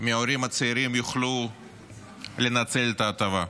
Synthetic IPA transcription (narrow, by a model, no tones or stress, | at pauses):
miaoɾimat͡seiɾimjuχlu | lenat͡selet̪aːt̪ava